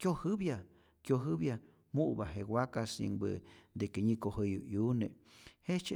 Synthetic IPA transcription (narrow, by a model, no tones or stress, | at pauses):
kjohɨbja | kjoɦɨβja | muʔbaɦewakasḭŋbɨ̰d̪ekeɲĩkohəjṵʔjunḛ̃het͡ʃe